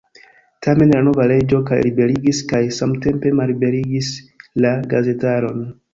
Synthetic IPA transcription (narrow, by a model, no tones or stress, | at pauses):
tʰame̞nlano̞vaɾe̞d͡ʒo̞ka̰jɾibe̞ɾiɡiskajsamte̞mpe̞malibe̞ɾiɡislaɡaze̞taɾo̞n